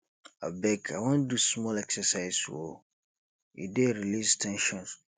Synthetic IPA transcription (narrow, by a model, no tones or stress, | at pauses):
a̰bɛkʰa̰wɔ̃ndusmɔlɛksɛsaɪswo̰ | ḭdeɾilistʰɛ̃nʃɔ̃ns